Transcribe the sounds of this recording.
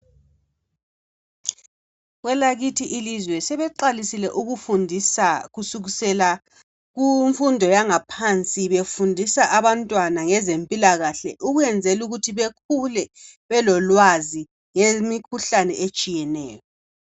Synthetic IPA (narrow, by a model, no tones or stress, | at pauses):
ɣwɛlaɣitʰiʔilizwɛsɛβɛǃalisilɛʔuɣufundʱisaɣusuɣusɛla | ɣuɱfundʱɔjaŋapʰant͡sʼiβefundʱisaʔaβantʼwanaŋɛzempʼilaɣaɬɛ̰ʔuɣujɛnd͡zʱɛluɣutʰiβekʰulɛβɛlɔlwazi | ŋemikʰuɬanɛʔet͡ʃʼijɛnɛ̰ːjɔ